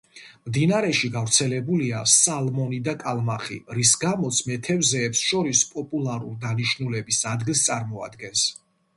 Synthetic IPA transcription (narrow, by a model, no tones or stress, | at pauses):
md̪inaɾɛʃiɡavɾt̪sʰɛlɛbuliasalˠmɔnid̪akʼalˠmaχḭɾisɡamɔt̪sʰmɛt̪ʰɛvzɛːpsʃɔɾispʼɔpʼulˠaɾṵɾd̪aniʃnulɛbisad̪ɡilˠst̪sʼaɾmɔa̰d̪ɡɛns